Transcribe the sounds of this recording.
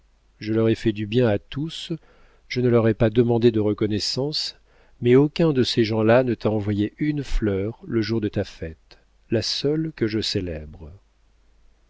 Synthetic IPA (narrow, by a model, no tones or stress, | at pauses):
ʒəlɔʁɛfɛd̪ybjɛ̃at̪ʰus | ʒ̥ənəlœʁɛpad̪əmɑ̃d̪ed̪əʁəkɔnɛsɑ̃s | mɛokʲɛ̃d̪əseʒɑ̃lanət̪aɑ̃vwajeʔynflœʁləʒuʁd̪ət̪afɛt̪ | lasœlkəʒəselɛbʁ